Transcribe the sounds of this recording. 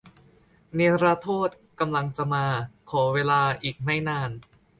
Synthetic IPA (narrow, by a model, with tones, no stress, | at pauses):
ni˧ɾaː˧˥t̪ʰoː˥˩t̪̚ka˧mla˧ŋt͡ɕa˨˩maː˧kʰɔː˩˦weː˧laː˧ʔiː˨˩k̚ma˥˩jnaː˧n